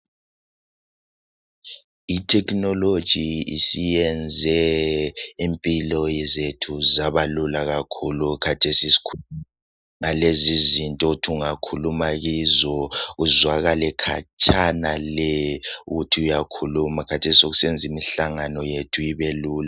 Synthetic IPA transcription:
itʰɛkʰʼnɔlod̥ʒ̥ʱiisijɛnd͡zʱɛ | empʼilɔjɛzetʰuzaβalulaɣakʰulukʰatʰesisi̥kʰ | ŋalezizintʼɔutʰuuŋakʰulumaɣizɔɣuzwaɣalɛkʰa̰t͡ʃʰʼanalɛuɣutʰiujakʰulumakʰatʰesioɣusɛnd͡zʱimiɬaŋanɔjetʰujiβeluːla

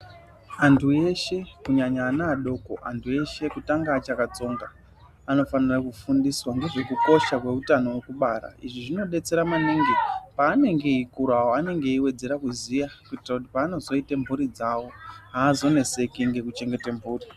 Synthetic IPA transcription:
antʰuje̞ʃe̞kuɲaɲaːnaːɗo̞ko̞̰ʔa̰ntʰuje̞ʃe̞kutaŋɡaːt͡ʃakat͡so̞ːŋɡa | ano̞fanirakufundiswaŋɡeʐe̞kuko̞ʃakwe̞utano̞wekuɓaɾa̰iʐiʐino̞ɗe̞t͡se̞ɾamaniŋɡipaːne̞ŋɡe̞ikuɾawoane̞ŋɡeiwe̞d͡ze̞ɾakuzijakuitirakut̬ipaːno̞zo̞itembʱuɾid͡zawo̞ɦaːzo̞ne̞se̞kiŋɡe̞kut͡ʃe̞ŋɡe̞tembʱuːri

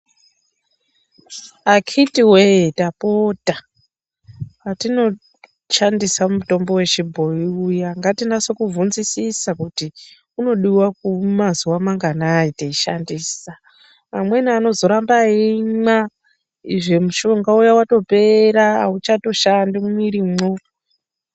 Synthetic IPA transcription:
akʰitiweetapo̞ta | patino̞ | ʃandisamuto̞mbo̞we̞t͡ʃibʱo̞iujaŋɡatindasokuvunzisisakuti | uno̞ɗiwak̚umazuwamaŋɡanaiteiʃa̰ndiːsaː | mwe̞niano̞zo̞ɾambaima | iʐe̞muʃo̞ŋɡaujawato̞pe̞ɾaut͡ʃato̞ʃandimuiɾimo

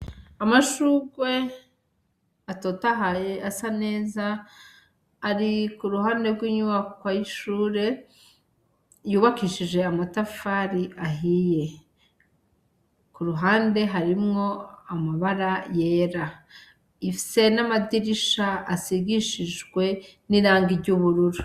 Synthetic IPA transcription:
amaʃuːɡwe̞ | ato̞ːtaɦajeasane̞ːza | ɾikuɾuɦaːnde̞ɾɡwiːɲuβakwajiʃuːɾe̞ | juːβakiːʃiʒe̞amatafaɾiʔaɦije̞ | kuɾuɦaːnde̞ɦaɾimŋo̞amaβaɾaje̞ːɾa | ifi̥se̞namadiɾiʃaasiɡiʃiʒɡwe̞niɾaːŋɡiɾɟuβuɾuɾu

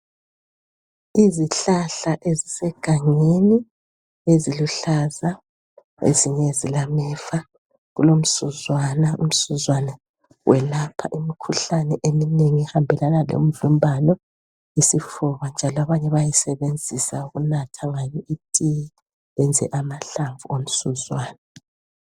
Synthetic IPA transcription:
iziɬaɬaʔezisɛɡ̥ʱaŋeni | eziluɬaza | ḛziɲezilamɛfa | ɣulom̩suzwanaṵm̩suzwanɛ | wʔɛlapʰa̰ʔimikʰuɬanɛʔemineŋiɛhambʱɛlanalo̰m̩ɮumbʱanɔ | isifɔβand͡ʒʱalɔaβaɲɛβajisɛβend͡zʱisauɣunatʰaŋaɲɛʔitʼiji | ɛnd͡zʱɛ̰ʔamaɬaɱvuom̩suzwaːna

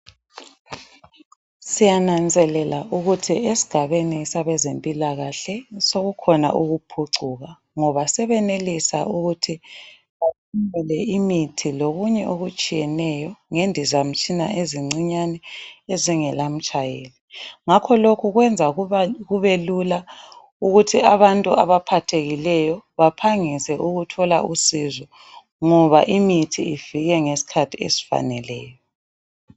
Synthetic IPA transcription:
sijanand͡zʱɛlɛlauɣutʰiesi̥ɡ̥ʱaβenisaβɛzempʼilaɣaɬɛsoɣukʰɔna̰ʔuɣupʰuǀuːɣa | ŋɔβasɛβɛnelisa̰ʔuɣutʰi | βatʰumɛlɛimitʰiloɣuɲɛʔoɣut͡ʃʼijɛnɛjɔŋendʱizam̩t͡ʃʼina̰ʔeziŋ͡ǀiɲanɛeziŋɛlam̩t͡ʃʼajeliŋakʰɔlokʰuɣwɛnd͡zʱaɣuβelula | uɣutʰiaβantʼuaβapʰatʰeɣilɛjɔβapʰaŋisɛʔuɣutʰɔla̰ʔusizɔ | ŋɔβaʔimitʰiiv̥iɣɛŋesi̥kʰatʰiḛsi̥fa̰nɛlɛːjɔ

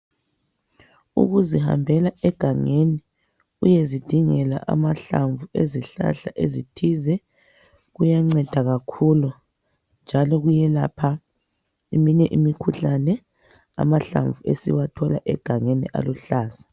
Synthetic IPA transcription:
ṵɣuziha̰mbʱɛlaɛɡ̥ʱaŋeni | ujezid̥ʱiŋɛla̰ʔa̰maɬaɱvueziɬa̰ɬaʔezitʰizɛ | ɣujaŋ͡ǀɛd̥ʱaɣakʰulu | nd͡ʒʱalɔɣujɛlapʰa | imiɲɛʔimikʰuɬanɛ | a̰maɬa̰ɱvuesḭwatʰɔlaʔɛɡ̥ʱaŋenḭʔa̰luɬaːzḁ

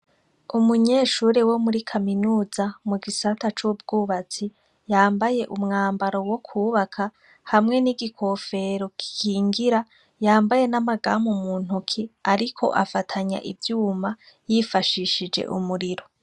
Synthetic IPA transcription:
umuɲe̞ːʃuːɾewo̞muɾikʰaminuːzamuɡisatat͡ʃubɡuːβat͡si | jaːmbaje̞ʔumŋaːmbaɾo̞wo̞kʰuːβakʰa | hamŋe̞niɡikʰo̞fe̞ɾo̞ki̥kʰiːŋɡiɾa | jaːmbaje̞namaɡaːmumuːn̥hukʰiaɾikʰo̞̰ʔafatʰaɲa̰ʔḭvjuːma | jifaʃiʃid͡ʒḛʔṵmuɾiɾo̞

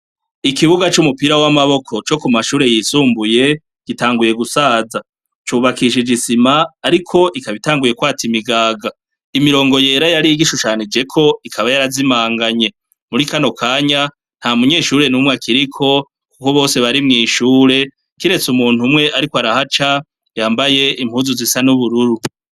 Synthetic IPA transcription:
ikiβuɡat͡ʃumupiɾawamaβo̞kʰo̞t͡ʃo̞kumaʃuːɾe̞jiːsuːmbuje | ɡ̥itaːŋɡuje̞ɡusaːza | t͡ʃuːβakiʃ̬id͡ʒisimaːɾikʰo̞ʔikaβitaːŋɡuje̞kwaːtimiɡaːɡa | imiɾo̞ːŋɡo̞je̞ɾajaɾiiɡiʃut͡ʃaːnid͡ʒe̞kʰo̞ikʰaβajaɾazimaːŋɡaɲe̞ | muɾikano̞kʰaːɲa | n̥hamuɲe̞ːʃuɾe̞numŋakʰiɾikʰo̞ | kukoβo̞ːse̞βaɾimŋiːʃuːɾe̞ | kiɾe̞t͡sumuːn̥humŋe̞ʔaɾikoaɾahat͡ʃa | jaːmbaje̞ʔim̥huːzuzisanuβuɾuɾu

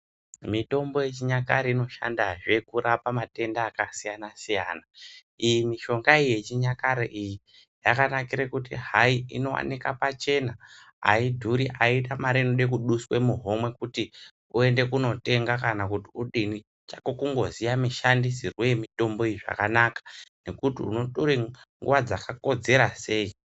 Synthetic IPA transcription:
mito̞mbo̞je̞t͡ʃiɲakaɾeino̞ʃa̰ndaʐe̞kurapamate̞ndaːkasijanasijaːna | ijimiʃo̞ŋɡaije̞t͡ʃiɲakaɾeʔiji | jakanakiɾekutḭɦaiino̞wa̰nikapat͡ʃe̞na | a̰idʱuɾiʔaitamaɾiinoɗekuɗuswe̞muɦo̞mwe̞kuti | ue̞nde̞kuno̞te̞ŋɡakanakutiuɗini | t͡ʃḁkokuŋɡo̞zijamiʃandisirwemito̞mbo̞eiʐa̰kanakḁne̞kutḭṵno̞toɾeŋɡṵʋad͡zakako̞d͡ze̞ɾase̞ːi

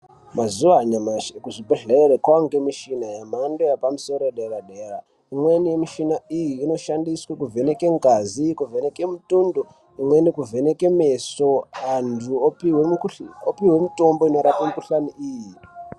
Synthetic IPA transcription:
mazuʋaɲamakuʐipeɮeɾekwaŋɡemiʃinajamandojapamuso̞ɾoeɗeɾaɗera | imwe̞nijemiʃinaijiːno̞ʃandiswekuvʱenekeŋɡazikuvʱene̞kemutundu | imwe̞nikuvʱenekemesoantʰuopiweopiwemito̞mbo̞ino̞ɾapamukuɬaniʔiːji

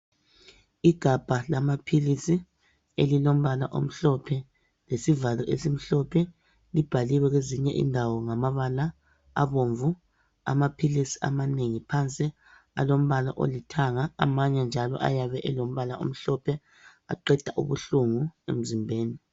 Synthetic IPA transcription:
iɡ̥ʱab̥ʱalamapʰilisi | elilom̩βalaʔo̰m̩ɬɔpʰɛ | lesivalɔʔesim̩ɬɔpʰɛ | lib̥ʱaliwɛɣweziɲɛʔḭndʱawɔŋamaβala̰ː | βoɱvu | a̰mapʰilisi̥ʔa̰maneŋipʰant͡sʼi | a̰lom̩βala̰ʔo̰litʰaŋaːmaɲɛnd͡ʒʱalɔ̰ʔa̰jaβɛʔɛlom̩βalao̰m̩ɬɔpʰɛ | a̰ǃɛd̥ʱaʔṵβṵɬuŋuḛm̩zimbʱeːni

